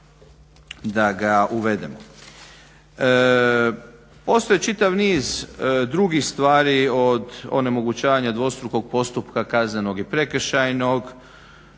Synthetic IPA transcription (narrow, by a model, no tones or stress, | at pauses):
d̪aɡaʔuʋe̞d̪e̞̰mo | po̞st̪o̞jet͡ʃit̪aʋniːzd̪ɾuɡixst̪ʋaːɾiod̪o̞̰ne̞mo̞ɡut͡ʃaːʋaɲad̪ʋo̞st̪ɾuko̞ɡ̚po̞st̪upkakazne̞no̞ɡipɾe̞kəɾʃajnoɡ